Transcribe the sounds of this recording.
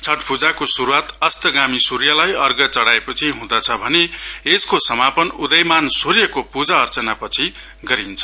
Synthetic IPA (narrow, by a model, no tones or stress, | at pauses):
t͡sʰʌʈpʰud͡zakosuɾuat̪ʌst̪ʌɡamisuɾjʌlajʌrɡʌt͡sʌɽaepʌt͡sʰiɦũd̪ʌt͡sʰʌbʱʌneeskosʌmapʌnud̪ʌjmansurjʌkopud͡zaʌrt͡sʌnapʌt͡sʰi | ɡʌɾint͡sʰʌ̥